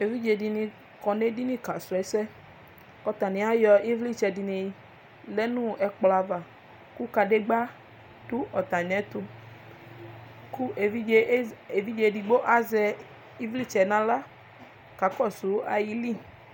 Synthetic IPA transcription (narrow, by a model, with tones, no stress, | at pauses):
e˨vi˦d͡ʒe˧di˧nĩ˧ | kɔ˨ne˦di˦nĩ˦ka˨sɛ˨˦sɛ˦ | kɔ˨t̪a˨nĩ˨a˦jɔ˧i˦vli˦˨t͡ʃɛ˧di˧ne˨ji˧ | lɛ˦nũ˦ɛ˧k͡pla˧va˨ | ku˦ka˧de˦ɡ͡ba˦ | tu˦ɔ˨t̪a˨ɲɛ̃˨˦t̪u˧ | ku˦e˨vi˦˨˦e˨vi˦d͡ʒe˧˨di˧ɡ͡bo˦ʔa˦zɛ˧ | i˦vli˦˨t͡ʃɛ˨nã˨˦la˦ | ka˨˦kɔ˦˨su˨˦a˧ji˧li˦˨